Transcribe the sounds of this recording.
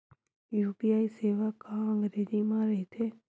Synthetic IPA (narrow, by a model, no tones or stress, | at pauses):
juːpiaiseːʋakãəŋɡɾed͡ʒimãɾɛɦt̪ʰe